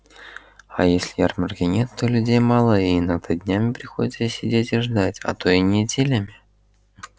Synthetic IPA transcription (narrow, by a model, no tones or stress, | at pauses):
ajesʲlʲɪjarmərkʲɪnʲet̪ːo̞lʲʉdʲejmɑlˠəɪinːəɡ̚d̪ad̪ʲnʲamʲɪpɾʲɪxo̞dʲɪt̪səsʲɪdʲetʲɪʐd̪atʲɐ̰t̪o̞ɪnʲɪdʲelʲɪmʲɪ